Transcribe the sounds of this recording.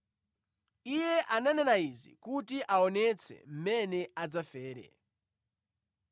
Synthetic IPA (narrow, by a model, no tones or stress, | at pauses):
ijɛʔananɛnaizḭkutiʔaɔnɛt͡sʰɛ̰m̩mɛnɛad͡zafɛːɾɛ̰